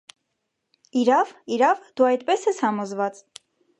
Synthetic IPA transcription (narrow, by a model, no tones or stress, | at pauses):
iɾɑviɾɑvd̪̥uɑjt̪̚pɛsɛshɑmɔzvɑt͡s